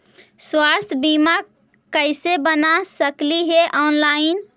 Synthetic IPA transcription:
swast̪ʰbima | kəɪsebənasəkliɦeʔɔnlaɪn

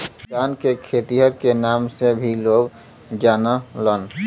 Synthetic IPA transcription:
sankekʰet̪iɦəɾkenamsebʱiloɡ | d͡ʒanələn

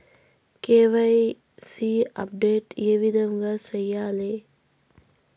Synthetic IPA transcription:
keːʋaj | siɐ̰p̚ɖeːʈḭeʋid̪əmɡasəjaːleː

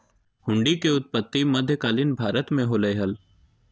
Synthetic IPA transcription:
hʊ̃ɳɖikeʊt̪̚pət̪ːimɐd̪ʱjəkaːlinbʱaːɾət̪mẽɦoːləeɦɐl

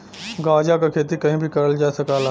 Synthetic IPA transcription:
ɡaːd͡ʒakakʰeːt̪̬ikɐɦĩbʱikɐɾəld͡ʒaːsɐkaːla

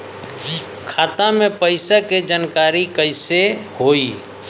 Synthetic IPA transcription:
kʰaːt̪ãmẽpəɪsaked͡ʒaːnkaːɾikəɪsehoːiː

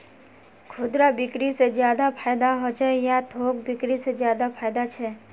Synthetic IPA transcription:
kʰʊd̪ɾabɪkɾised͡ʒjaːd̪apʰaːjd̪aɦot͡ʃɛjat̪ʰoːk̚bɪkɾisezjaːd̪apʰaːjd̪at͡ʃʰɛː

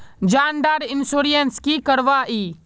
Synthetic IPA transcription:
d͡ʒaːnɖ̪aːɾɪnsoːɾijənskikəɾʋaːʔiː

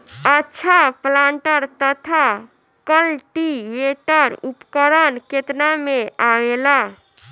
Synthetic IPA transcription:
ətːʃʰaplãɳʈəɾt̪ət̪ʰa | kəlʈiʋeʈəɾupkəɾənket̪nameaʋela

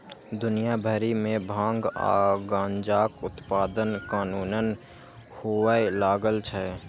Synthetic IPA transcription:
d̪ʊnijabʱəɾimẽbʱãːŋɡa̰ːɡãːɲd͡ʒaːkʊt̪paːd̪ənkaːnuːnən | howaelaːɡəlt͡ʃʰɛ

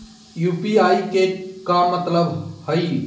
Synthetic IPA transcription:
jupiajkekamət̪ləbhəj

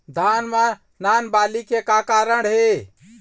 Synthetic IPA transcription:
d̪ʱanma | nanbalikekakaɾəɽɦe

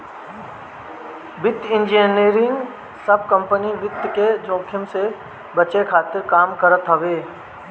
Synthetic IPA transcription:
bɪt̪ɪ̃nd͡ʒeneːɾɪ̃ŋɡ | səb̚kə̃mpəniʋɪt̪ːked͡ʒõːkʰɪmse | bət͡ʃekʰaːt̪ɪɾkaːmkəɾət̪ɦɐʋeː

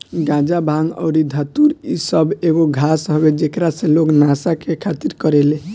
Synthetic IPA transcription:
ɡãd͡ʒabʱaŋɔ̰ʊɾid̪ʱat̪uɾisəbeɡoɡʱasɦɔbed͡ʒekɾasẽloknasakekʰat̪iɾkɔɾele

